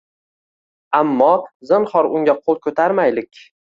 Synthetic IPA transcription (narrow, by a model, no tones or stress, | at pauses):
amːɒzɨnχɒɾʊŋɡʲaqʰolˠkʰɵt̪ʰaɾmajlɪkʲ